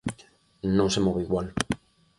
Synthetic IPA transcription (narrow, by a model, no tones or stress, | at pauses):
nõŋsemoβeiɣwal